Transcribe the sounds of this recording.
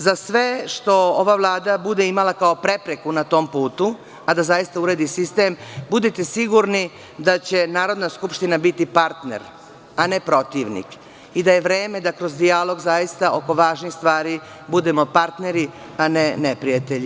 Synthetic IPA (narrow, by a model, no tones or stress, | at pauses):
zasʋeʃt̪o̞oʋaʋlˠaːd̪abud̪eimalakao̞pɾe̞pɾekunat̪o̞mpuːt̪u | ad̪azajist̪auɾed̪isist̪e̞mbud̪it̪esiɡuɾni | d̪at͡ɕe̞naːɾo̞d̪naskupʃt̪inabit̪ipaɾt̪ne̞̰ɾ | anepɾo̞t̪iʋnḭk | id̪aje̞ʋɾeːme̞d̪akɾo̞zd̪ialo̞ɡzajist̪aʔo̞ko̞ʋaːʒnixst̪ʋaːɾi | bud̪e̞mo̞paɾt̪ne̞ɾi | anenepɾijat̪eʎi